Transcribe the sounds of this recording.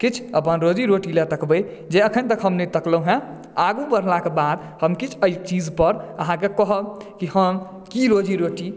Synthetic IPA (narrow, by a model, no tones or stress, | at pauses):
kit͡ʃʰəpənɾod͡ʒiɾoʈilet̪əkbəj | d͡ʒeəkʰənt̪əkɦəmnet̪əkləɦɛ̃ | aɡubəɾ̤lakebad̪ | həmkit͡ʃʰəjt͡ʃid͡ʒpəɾəɦãkekəɦəkihəm | kiɾod͡ʒiɾoʈi